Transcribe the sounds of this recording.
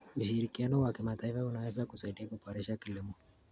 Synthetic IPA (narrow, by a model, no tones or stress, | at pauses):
uʃiɾikianɔwakimataifaunawɛzakusaiɗiakupaɾɛʃakilimɔ